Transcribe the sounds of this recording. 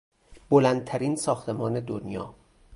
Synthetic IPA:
bolænd̪̚t̪ʰæɾiːnsɒːxt̪ʰe̞mɒːne̞d̪onjɒ̰ː

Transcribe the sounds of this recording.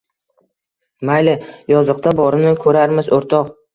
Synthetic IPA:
majlɪjɒzɨq̚t̪ʰabɒɾɪnɪkʰɵɾaɾmɪzoɾt̪ʰɒq

